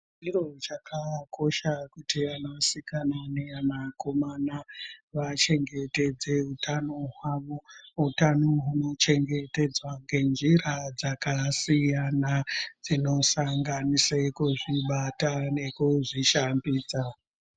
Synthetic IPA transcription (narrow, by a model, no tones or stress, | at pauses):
d͡ʒirot͡ʃakʰako̞ʃakutianosikananeamako̞manaʋat͡ʃe̞ŋɡe̞te̞d͡ze̞ɦutʰano̞ɦwaʋo̞ɦutanoɦuno̞t͡ʃe̞ŋɡe̞te̞d͡zwaŋɡe̞nd͡ʒiɾad͡zakasijanad͡zino̞saŋɡanisekuʐiɓatane̞kuʐiʃambiːsa